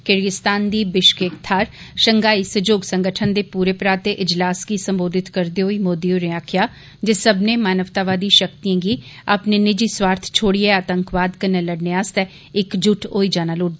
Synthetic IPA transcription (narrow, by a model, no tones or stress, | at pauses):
kɪɾɡɪst̪aːnd̪iːbɪʃkeːkt̪ʰaːɾʃəŋɡaːiːsəd͡ʒoːɡsə̃ŋɡəʈʰənd̪eːpuːɾeːpɾaːt̪eʔɪd͡ʒlaːskiːsəmboːd̪ɪt̪kəɾd̪eɦoːiːmoːd̪iːoːɾɪaːkʰɪjaː | d͡ʒesəbnẽːmaːnəʋt̪aːʋaːd̪iːʃəkt̪ijãːɡiːa̰ːpneːnɪd͡ʒiːswaːɾt̪ʰt͡ʃʰoːɽiːeaːt̪əŋkʋaːd̪kəɾneːləɽneaːst̪ɛː | ɪkd͡ʒʊʈʰoːiːd͡ʒaːnaːloːʈd̪a